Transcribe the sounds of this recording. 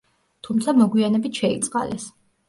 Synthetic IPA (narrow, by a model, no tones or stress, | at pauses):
t̪ʰumt̪sʰamɔɡwianɛbit̪ʃɛit̪sʼqʼa̰lɛs